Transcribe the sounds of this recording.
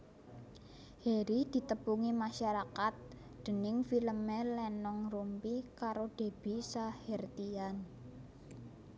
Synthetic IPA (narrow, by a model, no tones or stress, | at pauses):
heɾid̪̥i̤t̪əpuŋimaʃaɾakat̪̚ | d̪̥ə̤nɪŋfiləmelɛnɔŋrumpikaɾoɖ̥e̤b̥i̤sahɛrt̪ian